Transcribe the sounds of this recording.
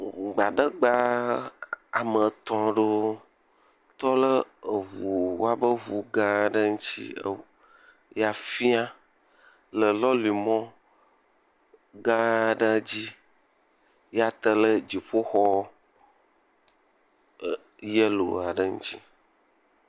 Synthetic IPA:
ɡ͡ba˨ɖə˦ɡ͡ba˦ | a˨mə˨t̪ɔ̃˨ɖo˦ | t̪ɔ˦lə˦ə˨βu˨wo˦a˦bə˦βu˨ɡã˦˨ɖə˦ŋu˦t͡ɕḭ˦ə̰˦ | ja˨fi˦a˦ | lə˨lɔ˦li˨mɔ̃˦ | ɡã˦˨ɖə˦d͡ʑi˦ | ja˦t̪ə˦lə˦d͡ʑi˨ɸo˦xɔ˦ | jə˦lo̰˨a˨ɖə˦ŋṵ˦t͡ɕi˦

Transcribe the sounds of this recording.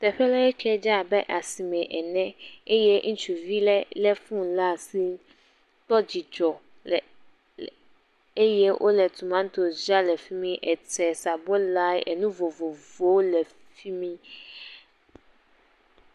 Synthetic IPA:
t̪ɛ˨ɸɛ˦la˦ɛ˦t͡ʃɛ˦d͡ʒa˦˨bɛ˦ʔa˨si˨mɛ̃˨ʔɛ˨nɛ̃˦e˦jɛ˦ŋ̩̃˦t͡ʃu˨vi˦lɛ˦lɛ˦fũ˦la˦˨si˦ | t̪ɔ˦d͡ʑi˨d͡ʒɔ˨ | e˦jɛ˦wʔo̰˦lɛ˨t̪ʰu˨mã˦n˦t̪o˨d͡ʒa˦lɛ˨fi˦mĩ˦ʔɛ˨tɛ˨sa˨bo˦la˦jɛ̰˨nũ˦vo˨vo˨vo˨˦lɛ˨ | fi˦mĩ˦

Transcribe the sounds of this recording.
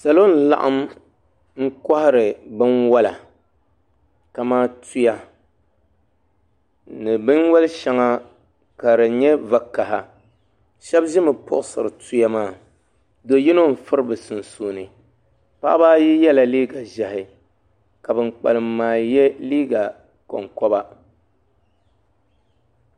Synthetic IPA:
sa˨lo˦n̩˨la̰˨ʔa̰˦m | ŋ̩˦kɔ˦hɪ˦ɾɨ˨bɨ˦nwa˦la˨ | ka˨maː˦tu˦ja˨ | nɨ˨bɨ˦nwɛ˦lʃɛ˦ŋa˦ | ka˨ɾɨ˨ɲɛ˦va˨kːa˨ɦa˨ | ʃɛ˦bʒɪ˦mɨ˨pʊ̰˦ʔsɨ̰˨ɾɨ˨tu˦ja˦maː˦˨ | do˨ji˦no˦m̩˨fɨ˦ɾɨ˦bɨ˨sɨ˨n˨soː˨nɨ˨ | pa̰˦ʔbaː˦ji˦jɛ˦la˨liː˦ɡa˨ʒɛ˨hɪ˨ | ka˨bɨ˨nk͡pa̰˨lɨ˨mːaː˨jɛ˦liː˦ɡa˨ | kɔ̰˨ŋkɔ˦ba˦

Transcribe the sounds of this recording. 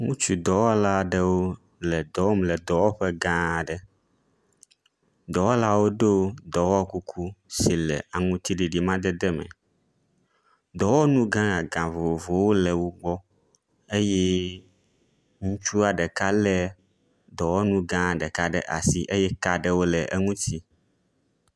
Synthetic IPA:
ŋũ˦t͡ʃu˨d̪ɔ˨wɔ˦la˦ɖɛ˦wo˦ | lɛ˨d̪ɔ˨wɔ˦mlɛ˨d̪ɔ˨wɔ˦ɸɛ˦ɡã˦˨ɖɛ˨ | d̪ɔ˨wɔ˦la˦wo˦ɖe˦o˦d̪ɔ˨wɔ˦ku˦kʰu˦si˨lɛ̰˨a˨ŋũ˦t̪ʰi˦ɖi˨ɖi˨mã˦d̪ɛ˦d̪ɛ˦mɛ̰̃˨ | d̪ɔ˨wɔ˦nũ˦ɡã˦ŋa˨ɡã˨vo˨vo˨wo˦lɛ˨wo˦ɡ͡bɔ˦ | e˦jɛ˦ | ŋũ˦t͡ʃu˦a˨ɖɛ˨ka˦lɛ˦ | d̪ɔ˨wɔ˦nũ˦ɡã˦˨ɖɛ˨ka˦ɖɛ̰˨ʔa̰˨si˦ʔe˦jɛ˦ka˦ɖɛ˦wo˦lɛ˨ʔɛ˦ŋũ˦t̪ʰi˦

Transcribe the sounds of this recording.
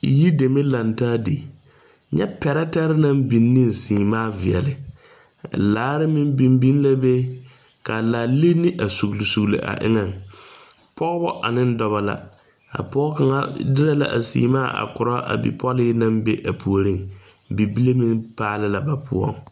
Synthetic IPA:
ji˦de˨me˦la˨ntaː˦di˨ | ɲɛ̰˦pɛ˨ɾɛ˦ta˦ɾɪ˦nã˦mbi˨nːɪ̃˦n˨siː˨maː˦˨vɪ˨ɛ̰˨lɪ˨ | laː˨˦ɾɪ˦mi˦mbi˨mbi˦n˦la˦be˦ | ka˨laː˨le˦nɪ˦ʔa˨su˨ɣlɪ˨su˨ɣlḛ˨ʔa̰˨ʔɪ̰˦ŋɛ˨ŋ | pʰɔ˦ɣbɔ˦ʔa̰˨nɪ˦n˦dɔ˨βa˨la̰˨ | a̰˨pɔː˦ka˨ŋa̰˦dɪ˦ɾa˦la̰˨ʔa̰˨sḭː˨maː˦ʔa̰˨kʊ˨ɾɔ˦ʔa̰˨bḭ˨pʰɔ˦lɪː˦nã˦mbe˦ʔa˨pʰu˨o˨ɾi˦˨ŋ | bi˨bi˦le˦mi˦npaː˦lɪ˦la˨ba˨pʰʊ̰˦ɔ̰˦˨ŋ

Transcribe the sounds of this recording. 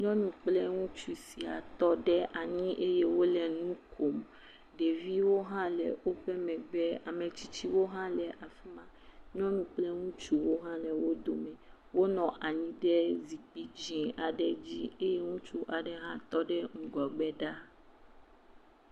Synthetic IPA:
ɲɔ̃˦nũ˨k͡plɛ˦ŋũ˦t͡ʃu˨si˨a̰˨t̪ɔ˦ɖɛ˦ʔa˨ɲĩ˦ʔe˦je˦wo˦lɛ˨nũ˦kʰo˨m | ɖɛ˨vi˦wo˦ɦã˦lɛ̰˨wo˦ɸɛ˦mɛ̃˨ɡ͡bɛ˦a˨mɛ̃˨t͡ɕi̥˦t͡ɕi˦wo˦ɦã˦lɛ˨ʔa˨fi˦mã˨ɲɔ̃˦nũ˨k͡plɛ˦ŋũ˦t͡ʃu˦wo˦ɦã˦lɛ˨wo˦d̪o˨mɛ̃˨ | wo˦nɔ̃˨ʔa˨ɲĩ˦ɖɛ˦zi˨k͡pi˦d͡ʑĩ˨a˨ɖɛ˦d͡ʑi˦e˦je˦ŋũ˦t͡ʃu˦ʔa˨ɖɛ˦ɦã˦t̪ɔ˦ɖɛ˦ŋ̩˨ɡɔ˨ɡ͡bɛ˦ɖa˦

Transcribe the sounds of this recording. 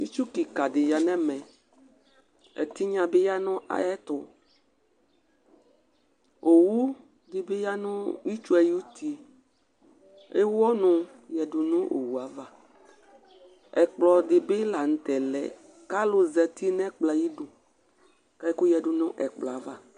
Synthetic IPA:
i˦t͡ʃu˦ki˨ka˨dɪ˨ja˨nɛ̃˦mɛ̃˨ | ɛ̰˨t̪i˦ɲã˨be˦ja˦nɔ̃˦ʔa̰˨ɛ˦t̪ʊ˨ | o˨wu˦ | d̪e˨be˦ja˦nʊ̃˦ji˦t͡ʃu˦ɛ˨ju˦t̪ʰi˦ | ḛ˦wɔ˦nʊ̃˨ | jɛ˨ɖu˨nũ˦ʔo̰˨wu˨a˨˦va˦ | ɛ˨k͡plɔ˨d̪ɪ˨be˦la˨ŋ̩˨t̪ɛ˨lɛ̰˨ | ka˦lʊ˦zɛ˨t̪i˦nɛ̃˦k͡pla˨ji˦ɖu˨ | ka˦ku˦jɛ˨ɖu˨nʊ̰̃˦ʔɛ̰˨k͡plɔ˨a˨va˦

